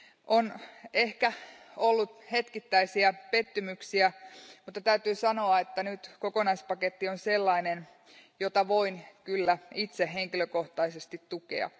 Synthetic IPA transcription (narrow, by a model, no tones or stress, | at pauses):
ʔonehkæolːut̪he̞t̪kit̪ːæisiæpe̞t̪ːymyksiæmut̪ːɑt̪æyt̪yːsɑno̞ɑet̪ːænyt̪kokonɑispɑket̪ːionse̞lːɑinen | jot̪ɑʋo̞inkylːæit̪seɦeŋkiløkoht̪ɑisest̪it̪tukḛɑ̰